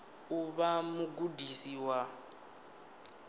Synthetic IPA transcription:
uβamuɡudisiwa

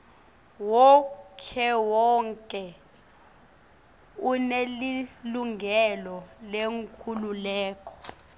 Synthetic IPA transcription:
wɔkʰɛwɔŋkʼɛ | uneliluŋʱɛlɔleŋkʰululɛːkʰʼɔ̥

